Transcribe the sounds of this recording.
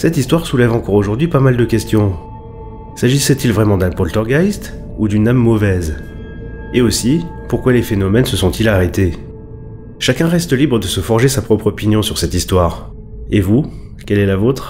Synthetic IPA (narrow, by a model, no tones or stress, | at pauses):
sɛt̪ist̪waʁsulɛvɑ̃kɔʁoʒuʁd̪ɥipamald̪əkʲɛst̪jɔ̃ | saʒisɛt̪ilvʁɛmɑ̃d̪ɛ̃pɔlt̪ɔʁɡajst̪ | ud̪ynamːɔvɛz | eosipuʁkwalefenɔmɛnsəsɔ̃t̪ʰilaʁɛt̪e | ʃakʲɛ̃ʁɛst̪libʁəd̪əsəfɔʁʒesapχɔpχɔpinjɔ̃syʁsɛt̪ist̪waːʁ | evu | kʲɛlɛlavot̪χ